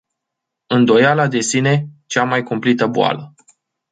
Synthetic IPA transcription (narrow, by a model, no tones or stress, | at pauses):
ɨnd̪o̞jalad̪e̞sine̞t͡ʃamajkumplit̪əbua̰lə